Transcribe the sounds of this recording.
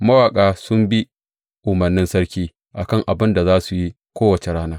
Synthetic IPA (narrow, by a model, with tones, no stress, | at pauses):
mɐ˦waː˨kʼaː˨sʊ˦mbi˦ | ʔʊ˨mɐ˨rnːɪ˦nsɐ˦ɽkʲiː˦ | ʔa˨kɐ˦˨ŋʔa˨bɪ˦nda˨zaː˦su˨ji˦ | kʷoː˦wɐ˨t͡ʃe˨ɽaː˦naː˦